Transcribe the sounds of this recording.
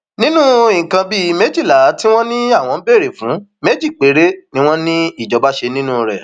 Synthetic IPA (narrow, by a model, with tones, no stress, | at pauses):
nĩ˦nũ˦ĩ˨kã˧bi˦˧me˦d͡ʒi˦˨la˨˦ti˦w̃ɔ̃˦nĩ˦a˦˨w̃ɔ̃˧˦be˦˨ɾe˨fũ˨˦me˦d͡ʒi˦˨k͡pe˨˦ɾe˦nĩ˦w̃ɔ̃˦nĩ˦i˦˨d͡ʒɔ˨ba˦ʃe˧nĩ˦nũ˦ɾɛ˨